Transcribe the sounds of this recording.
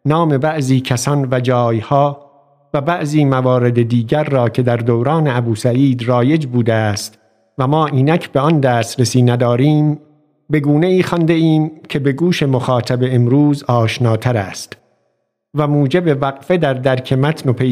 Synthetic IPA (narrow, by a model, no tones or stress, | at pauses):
nɒːme̞bæʔziːcʰæsɒnvæd͡ʒɒːjhɒː | væbæʔziːmævɒːɾe̞d̪ed̪iːɟæɾːɒːcʰe̞d̪æɾd̪owɾɑːneæbuːsæiːd̪rɒːje̞d͡ʒbuːd̪eæst̪ | væmɒːʔiːnæcʰbe̞ɒnd̪æːst̪ɾesiːnæd̪ɒːɾiːm | be̞ɡuːne̞iːxɒnd̪eiːmcʰe̞be̞ɡuːʃe̞moxɑːt̪ʰæbe̞ːmɾuːzɒːʃnɑːt̪ʰæɾæːst̪ | væmuːd͡ʒe̞be̞væɣfe̞d̪æɾd̪æɾkʰe̞mæt̪ʰno̞pʰe